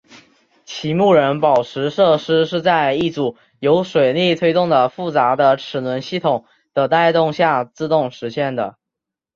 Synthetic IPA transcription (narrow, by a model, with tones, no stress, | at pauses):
t͡ɕʰi˧˥mu˥˩ɻə˧˥npɑ˨˩ʊʈ͡ʂʰɻ̩˧˥ʂɤ˥˩ʂɻ̩˥ʂɻ̩˥˧t͡sa˥˧ɪi˥˩ʈ͡ʂu˨˩ | jo˧˥ʊʂwe˨˩ɪli˥˩t̪ʰwe˥ɪt̪ʊ˥˩ŋd̪ə˩fu˥˩t͡sa˧˥d̪ə˧ʈ͡ʂʰɻ̩˨˩nwə˧˥nɕi˥˩t̪ʰʊ˨˩˦ŋ | d̪̥ə˧t̪a˥˧ɪt̪ʊ˥˧ŋɕja˥˧t͡sɹ̩˥˧t̪ʊ˥˩ŋʂɻ̩˧˥ɕjɛ˥˩nd̪ə̰˩